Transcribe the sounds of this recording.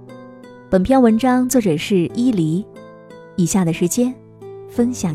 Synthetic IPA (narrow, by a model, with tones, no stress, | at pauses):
pə˨˩npʰjɑ˥ʊwə˧˥nʈ͡ʂɑ˥ŋt͡swɤ˥˩ʈ͡ʂɤ˨˩ʂɻ̩˥˩i˥li˧˥ | i˨˩ɕja˥˩d̪ə˩ʂɻ̩˧˥t͡ɕjɛ˥n | fə˥nɕjɑ˨˩ŋ